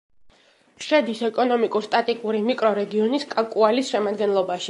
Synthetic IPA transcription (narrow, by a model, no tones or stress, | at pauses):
ʃɛd̪isɛkʼɔnɔmikʼuɾst̪ʼat̪ʼikʼuɾimikʼɾɔɾɛɡiɔniskʼakʼualisʃɛmad̪ɡɛnlˠɔbaʃi